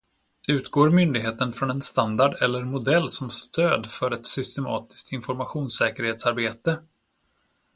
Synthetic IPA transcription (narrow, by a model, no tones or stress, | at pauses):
ʉ̟ːt̪ɡoːɾmʏnd̪ɪɡɦeːt̪ənfɾɔnɛnst̪and̪aɖɛlːəɾmʊd̪ɛlːsɔmst̪øːd̪fœɾɛt̪sʏst̪ɛmɑ̰ːt̪ɪ̥sk̚t̪ɪnfɔɾmaɧuːnsɛːkəɾheːt̪saɾbeːt̪ə